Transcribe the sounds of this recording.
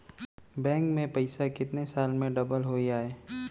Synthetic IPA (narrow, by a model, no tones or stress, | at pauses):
bɛ̃ːŋkmẽpɐɪsakɪt̪nesaːlmẽɖɐbəlɦoːiaːeː